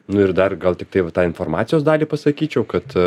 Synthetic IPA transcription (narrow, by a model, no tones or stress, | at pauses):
nʊɪrd̪ɐrɡɐlˠt̪ʲɪk̚t̪ɐɪʋɐt̪ɑːɪnfoːɾmɑ̰ːt̪sʲɪjoːsd̪ɑːlʲiːpɐsɐkʲiːt͡ʃʲɛʊkɐt̪